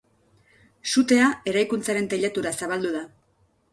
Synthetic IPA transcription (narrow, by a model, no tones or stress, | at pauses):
sut̪e̞ae̞ɾajkunt͡saɾe̞nt̪eʎat̪uɾasaβald̪uða